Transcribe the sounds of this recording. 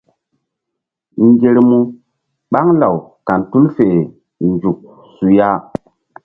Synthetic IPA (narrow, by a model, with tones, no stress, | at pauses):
ŋɡe˨ɾmu˦ | ɓa˦ŋla˨wka˨ntu˦lfe˨ | nd͡ʒu˨k̚ | su˨ja˦